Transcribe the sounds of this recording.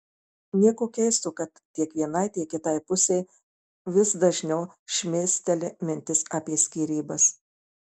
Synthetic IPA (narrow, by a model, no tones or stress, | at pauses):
nʲiɛkoːkʲɛɪst̪uːkɐt̪ːʲiɛkʋʲiɛnɐɪt̪ʲiɛkːʲɪt̪ɐɪpʊsʲeː | ʋʲɪsd̪ɐʒʲnʲɛʊ | ʃʲmʲeːsʲt̪ʲɛlʲɪmʲɪnʲt̪ʲɪsɑːpʲiɛsʲkʲiːɾʲiːbɐs